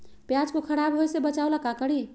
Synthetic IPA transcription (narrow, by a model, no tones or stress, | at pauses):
pjad͡ʒkokʰəɾabɦojsebət͡ʃalakakəɽi